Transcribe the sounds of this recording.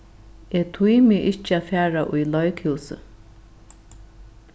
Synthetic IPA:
et̪ʰujmɪʔɪt͡ʃafaːɹaʔṵjlɔjkʰiwsə̰

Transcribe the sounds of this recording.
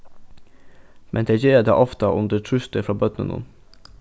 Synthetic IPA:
mʔɛnd̪eːd͡ʒeːd̪ḛːʔɔft̪əʔʉnd̪əʈʰɾʉst̪əfɾɑːbœt̪nə̰nʊ̰n

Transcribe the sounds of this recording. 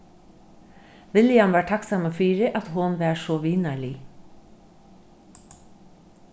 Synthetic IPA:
ʋɪljɑmʋæːʈʰɑksɑmoːfyːɾəʔɑt̪hʊnʋæːʃoːʋiːnəɭi

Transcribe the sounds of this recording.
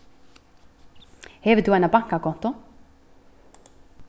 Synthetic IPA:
hɛvɪɾt̪θuajnapaŋ̥kakʰɔn̥t̪ɔ

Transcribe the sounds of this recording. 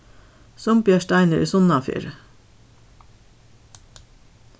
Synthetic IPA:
sɔmpjɑʃtæɪnəɾʔḭːsʊnɑfy̰ːɾə

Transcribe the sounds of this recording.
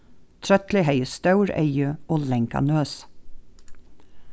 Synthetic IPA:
t̪ʰɾœt̪lɪheɪəst̪ɑʉɹḛɪəoːlɛŋkɑ̰nøːs

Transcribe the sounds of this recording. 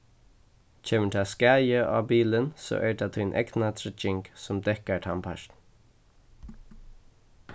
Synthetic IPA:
t͡ʃʰeːməʈ̪ʰaːskæjəʔa̰ːbiːlənso̰ːʔɛɹd̪at̪ʰœjnʔɛ̰ɡnat̪ʰɾɛt͡ʃɪŋksʊmd̪ɛhkaɹt̪ʰampʰa̰ʃn̩

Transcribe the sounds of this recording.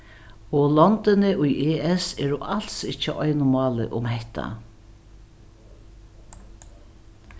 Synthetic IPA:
ɔlɔnt̪ɪnɪʔʊjʔeːɛsɛːɾʊʔal̥sɪt͡ʃːəʔɔjnʊmɑːlɪ̰ʔʊ̰mhɛht̪ʰa̰

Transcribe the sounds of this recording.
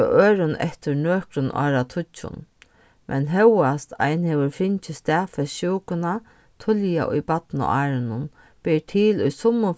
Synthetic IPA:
ɔʔøːɾʊnɛ̰ht̪ʏɾnøːkɾʊnʔɔ̰ːɾat̪ʰʊt͡ʃːʊ̰n | mʔɛ̰nɦɛwast̪ʰa̰jnhɛːʋəɾfɪɲt͡ʃɪst̪ɛːfɛʃuːkʊna | t̪ʰʊlja̰ʔʊ̰jbat̪nʊ̰ʔaːɾɪnʊn | pɪɾt̪ʰiːlʊjsʊmːʊ

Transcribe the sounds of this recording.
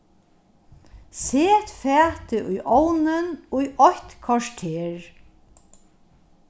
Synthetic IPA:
seːt̪fæːt̪ɪʔujʔɔwnɪnujʔɔçt̪kʰvɔʃt̪ʰeːɹ

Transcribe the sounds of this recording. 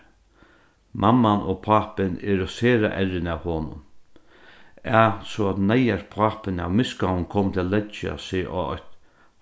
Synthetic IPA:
mʔamːanɔpʰaːpɪnɪɾɔseːɾa̰ʔɛɾɪnawhoːnʊ̰n | aːsɔat̪najaɾpʰaːpɪna̰ʋmɪskawnkʰɔːmt̪ʰɪalɛt͡ʃa̰sɪʔɔ̰ɔ̰t̪

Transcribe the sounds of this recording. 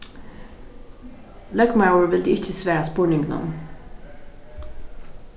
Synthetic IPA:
lœɡmaʊəɹʋɪld̪ɪːɪçəsʋeːɑspuːɳɪŋnɑ̰m

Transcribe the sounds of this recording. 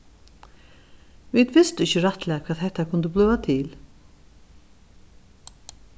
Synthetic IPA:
viðvɪst̪ɪçcːɪraht̪lɛːɣakʰvaːðɦɛht̪ːakʰʊnt̪ʏplʏːvat̪ʰɪl

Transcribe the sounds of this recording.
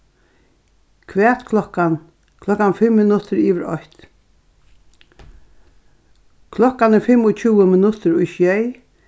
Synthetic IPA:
kʰʋɛːt̪kʰlɔkan | kʰlɔkːanfɪmːɪnʊt̪ʰəɾiːʋəɾɔ̰ht̪ | kʰlɔkanəfɪmʊt͡ʃʰuːəmɪnʊt̪əɾʊjʃjɛj

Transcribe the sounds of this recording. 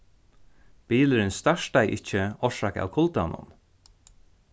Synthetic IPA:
b̥iːləɾɪnst̪aʃtajʔɪc͡çəɔʂaka̰ːwkʰʊlt̪anʊ̰n

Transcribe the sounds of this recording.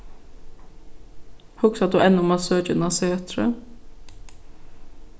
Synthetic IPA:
hʊksɑt̪̚d̪ʉʔɛnːʊmɑːsøːd͡ʒʉnɑseːt̪ʰɾə̰

